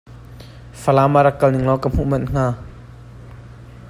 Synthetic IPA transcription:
fɐlaːmaɾɐkːɐlniŋlɔkam̥uʔmɐnŋ̥aː

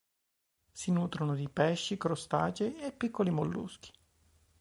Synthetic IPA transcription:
sinuːt̪ɾonod̪ipɛʃːikɾost̪a̰ːt͡ʃeepːikʰːolimolːṵsk̟i̥

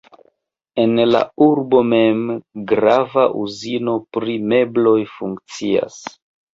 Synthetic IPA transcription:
e̞nla̰uɾbo̞me̞mɡɾavaʔuzino̞pɾime̞blo̞jfuŋkt͡sia̰s

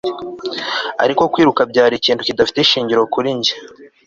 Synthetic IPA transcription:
a̰ɾiko̞kwiːɾukabɟaːɾiciːntucidafi̥teiʃiːɲɟiɾo̞kuɾiɲɟe

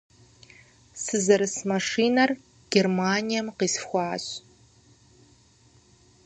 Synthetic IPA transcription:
sɨzɐɾɨsmɐʂiːnɐr | ɡ̥ʲermaːnijɐmqiːsfxʷɑːɕ

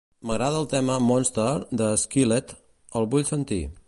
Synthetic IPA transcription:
məɣɾaðəːlˠt̪ɛməmɔnst̪ərd̪əːskilet̪ | əlˠβuʎsənt̪ḭ

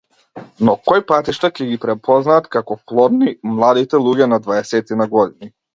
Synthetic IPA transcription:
nɔkɔjpat̪iʃt̪acɛɡipɾɛpʰɔznaːt̪kakɔplˠɔd̪nimlˠad̪it̪ɛlˠuɟɛnad̪vaɛsɛt̪inaɡɔd̪ini

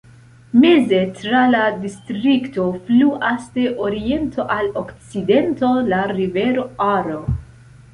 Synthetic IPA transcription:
mezetɾaladistɾikto̞fluʔasteʔoɾie̞ntʰo̞ʔalokt͡side̞nto̞laɾive̞ɾoaɾo

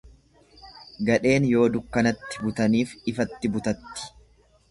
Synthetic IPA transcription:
ɡɐᶑe̞ːnjo̞ːd̪ʊkːɐnɐt̪ːɪ̥bʊt̪ɐniːfɪfɐt̪ːɪbʊt̪ɐt̪ːɪ̥

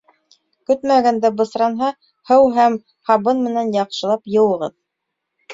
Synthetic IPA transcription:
kɵt̪mæɡænd̪æbɤ̆sɾɑnɦɑ | hɤwɦæm | hɑβɤnmɘ̆nænjɑqʃɤ̆lˠɑpjɤ̆wɤ̆ʁɤð

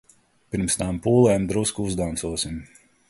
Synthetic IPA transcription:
piɾmst̪aːmpuːlˠɛːmd̪ɾuskuzd̪ansuɔsim

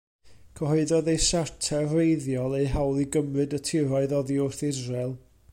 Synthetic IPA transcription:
kʰɔhɔɨðɔðejsartʰɛrejðjɔlˠejɦawlˠiɡəmrɨdətʰɪɾɔɨðɔðiʊrθɪzralˠ

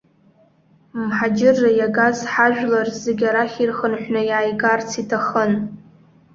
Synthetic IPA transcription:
mħad͡ʒɪrːajaɡazħaʒᶣlarzeɡʲaɾaχʲirχənħʷnɨjaːjɡʼart͡sʰitʰaχən

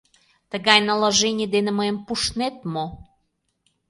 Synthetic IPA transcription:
t̪əɣɑjnəlaʒenʲiəd̪enĕməjəmpuʃnet̪̚mo

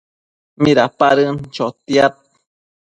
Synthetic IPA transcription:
miɾapaɾɨnt͡ʃot̪iat̪̚

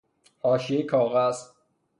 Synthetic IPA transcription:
hɒːʃiekʰɒːɣæz̥

